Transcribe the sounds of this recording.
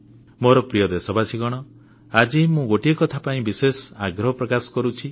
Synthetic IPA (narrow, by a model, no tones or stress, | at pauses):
moɾɔpɾijɔd̪esɔbasiɡɔɽ̃ɔ | ad͡ʒimũɡoʈiekɔt̪ʰapaĩbisesɔaɡɾɔɦɔpɾɔkasɔ̥kɔɾut͡ʃʰi